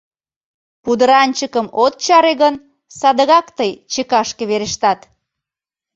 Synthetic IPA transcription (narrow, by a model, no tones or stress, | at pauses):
pud̪əɾɑnʲt͡ɕəkəmot̪̚t͡ɕɑɾeɣən | sɑd̪əɣɑkt̪əjt͡ɕekɑʃkeβeɾeʃt̪ɑt̪